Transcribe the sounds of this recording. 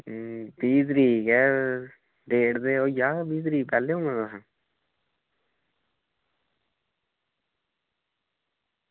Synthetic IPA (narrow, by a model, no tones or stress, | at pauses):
biːt̪əɾiːkɛː | ɖeːɖd̪eːoːjaːbiːd̪ɾiːkpɛːlːeːɦõːnãːd̪asãː